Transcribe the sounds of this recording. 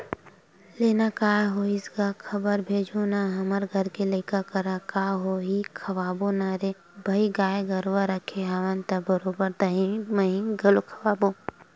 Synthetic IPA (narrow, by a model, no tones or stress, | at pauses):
leːnakaːɦoɪskakʰɐbəɾbʱeːd͡ʒʱonaɦɐməɾɡʱəɾkeləɪkakəɾakaːɦoɦikʰɐʋaːbonaɾe | bʱɐiɡaːeɡɐɾʋaɾəkʰeaʋənt̪ɐbəɾoːbəɾd̪aɦĩməɦĩɡɐlokʰɐwaːbo